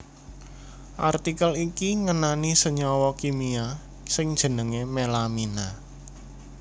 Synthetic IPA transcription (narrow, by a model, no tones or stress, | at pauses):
ʔart̪ikəlikiŋənanisəɲɔwɔkimia | sɪŋd̥ʒ̥ə̤nəŋemelamina